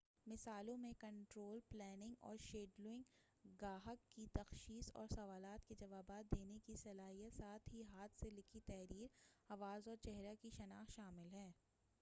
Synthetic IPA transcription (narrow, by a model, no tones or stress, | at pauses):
mɪsaːlõmẽkɐ̃ɳʈɾoːlplɛːnɪ̃ŋɡɔ̰ːɾʃeːɖlɪ̃ŋɡ | ɡaːɦəkːit̪ɐxʃiːsɔ̰ːɾsɐʋaːlaːt̪ked͡ʒɐʋaːbaːt̪̚d̪eːnekisɐlaːɦijət̪saːt̪ʰɦiɦaːt̪ʰselɪkʰit̪ɛːɾiːɾɐʋaːzɔːɾt͡ʃɛɦɾakiʃɐnaːxʃaːmɪlɦɛː